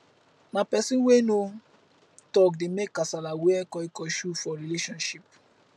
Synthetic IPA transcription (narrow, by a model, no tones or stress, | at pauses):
nãpɛsĩnweno | tɔkdemekːasalaweɛkɔikɔʃufɔɾileʃɔ̃nʃip̚